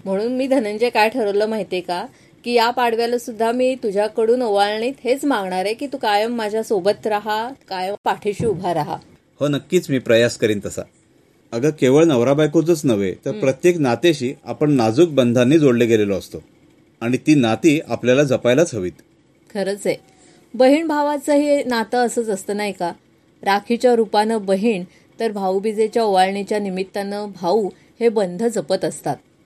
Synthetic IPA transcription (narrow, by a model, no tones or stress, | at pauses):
m̤əɽ̃uːnmiːd̪ʱənəɲd͡ʑekajʈʰəɾələːmaɦit̪eka | kiːjapaɽ̤ʋjaləsud̪ʱːamiːt̪ud͡ʑʱjakəɽuːnoʋaɭɳiːt̪ɦet͡smaŋɡɳaɾekiːt̪ukajəmːad͡ʑʱjasobət̪ɾaɦakajəpaʈʰeɕiːubʱaɾaɦa̰ | hənəkːiːt͡smiːpɾəjaskəɾiːnt̪əsa̰ | əɡəkeʋəɭnəʋɾabajkot͡sət͡snəʋḛt̪əɾpɾət̪jeknat̪eɕiːa̰pəɳnad͡zuːk̚bənd̪ʱanːiːd͡zoɽleɡelelɔːst̪o | aɽ̃it̪iːnat̪iːapljalad͡zəpajlat͡sʰəʋiːt̪ | kʰəɾət͡se | bəɦiːɳbʱaʋat͡səɦenat̪əəsəːt͡səst̪əːnaɦjka | ɾakʰit͡ɕjaɾupanəbəɦiːɳ | t̪əɾbʱaubid͡zet͡ɕjauʋaɭɳit͡ɕjanimit̪ːanəbʱauː | hebənd̪ʱəd͡zəpət̪əst̪at̪̚